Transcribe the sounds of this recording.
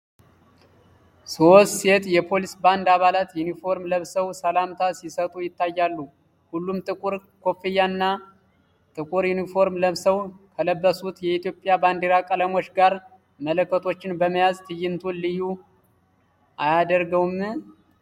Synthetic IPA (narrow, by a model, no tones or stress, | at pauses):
sost̪se̞t̪jɛpʰo̞lisband̪aβalat̪junifo̞ɾmləβsəwsəlamt̪ʰasisət̪ʼujɪt̪ʰːajːalːu | hulːumt̪ʼɨkʼuɾkʰo̞fijːaɨnːa | t̪ʼɨkʼuɾjunifo̞ɾmləβsəwkʰələbːəsut̪jɛit̪ʰjo̞pʼjaband̪eɾakʼələmo̞t͡ʃːɡaɾ | mələkːət̪ʰo̞t͡ʃːɪnbəməjazt̪ʰɨjːɪnt̪ʰunlɨjːu | ʔajad̪əɾɡəwm